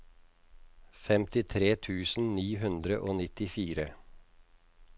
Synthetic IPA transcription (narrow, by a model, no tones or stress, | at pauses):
fɛmt̪ɪt̪ʰɾeːt̪ʰʉːsn̩niːɦʉnd̪ɾəʔoːnɪt̪ɪfiːɾə